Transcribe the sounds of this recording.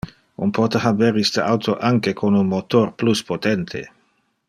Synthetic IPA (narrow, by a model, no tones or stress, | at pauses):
umpɔt̪eɦabɛɾist̪əawt̪ʰoʔaŋkekʰonunmot̪orpluspot̪ɛnt̪ʰḛ